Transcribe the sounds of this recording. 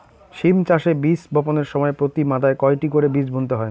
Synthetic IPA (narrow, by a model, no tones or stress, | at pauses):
ʃimt͡ɕaʃebisbʱɔponeɾʃɔmɔepɾot̪imad̪aekɔeʈikoɾebid͡ʑbʱont̪eɦɔe